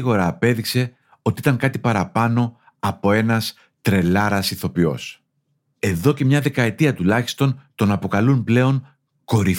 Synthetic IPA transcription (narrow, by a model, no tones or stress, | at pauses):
ɣo̞ɾɐːpe̞ðikse̞ | o̞t̪iit̪ɐŋkɐt̪ipɐɾɐpɐno̞ | ɐpo̞e̞nɐs | t̪ɾe̞lɐɾɐsiθo̞pio̞̰s | e̞ðo̞ce̞mɲɐðe̞kɐe̞t̪iɐt̪ulɐçi̥st̪o̞nt̪o̞nɐpo̞kɐlunple̞o̞n | ko̞ɾif